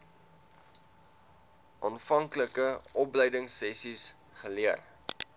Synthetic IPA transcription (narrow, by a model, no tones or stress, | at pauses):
ʔɑnfɐŋkləkəʔɔplɛjdəŋsːɛsis | χəliər